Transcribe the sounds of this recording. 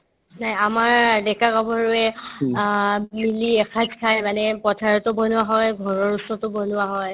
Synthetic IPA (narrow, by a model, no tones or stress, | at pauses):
najamaɹdɛkaɡɔbʱɔɹuɛ | miliɛxʰad͡ʒkʰajmanɛpɔtʰaɹɔtʊbɔnʊwaɦɔjɡʱɔɹɔɹusɔtɔbɔnʊwaɦɔj